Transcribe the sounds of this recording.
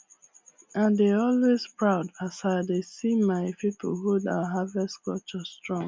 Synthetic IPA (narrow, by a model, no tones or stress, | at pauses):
ãndeɔlwezpɹaʊdasaɪdesimaɪpipo̰huda̰waɦavɛstkɔt͡ʃɔstɹɔ̃ŋ